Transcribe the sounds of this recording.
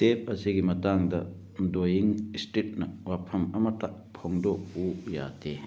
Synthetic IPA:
tep̚ɐsiɡimɐtaŋdɐ | dojiŋstɾit̚nɐwapʰɐmɐmɐta | pʰoŋdokuja̰de

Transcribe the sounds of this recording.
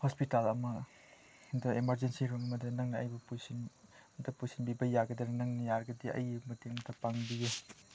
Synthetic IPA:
hɔspitalɐmɐ | dɐemɐɾd͡ʒensiɾoŋɐmɐdɐnɐŋnɐɐ̰jbɐpujsindɐpujsinbibɐjaɡɐdɐɾnɐŋnɐjaɾɐɡɐdiɐ̰jmɐteŋɐmt̪ʰɐpaŋbije

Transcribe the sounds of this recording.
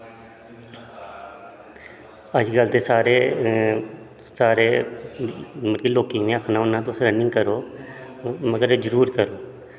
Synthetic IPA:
əd͡ʒɡəlt̪eːsaːɾeː | saːɾeː | mənkiloːkĩːmẽːəkʰnaːɦʊnːãːt̪osɾənɪ̃ŋɡkəɾoː | məɡəɾeːd͡ʒəɾuːɾkəɾoː

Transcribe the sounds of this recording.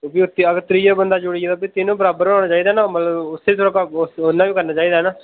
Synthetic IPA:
biːʊt̪ːeəɡt̪ɾiːjaːbənd̪aːd͡ʒʊɽieːt̪oːbiːt̪ɪnũːbəɾaːbəɾaːɽ̃aːt͡ʃaːiːd̪aɦːnaːmət̪ləbʊsːeːisʰɾəkasʊnːãːʋiːkəɾnaːt͡ʃaːiːd̪aːɦnaː

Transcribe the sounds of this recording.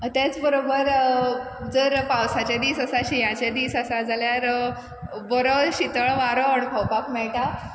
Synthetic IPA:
t̪at͡sbəɾobəɾ | d͡zəɾpawsat͡ɕad̪iːsəsaɕijãt͡ɕad̪iːsəsad͡zʱaljaɾ | bəɾɔɕit̪əɭʋaɾoəɳkʰəwpakmɛɭʈa

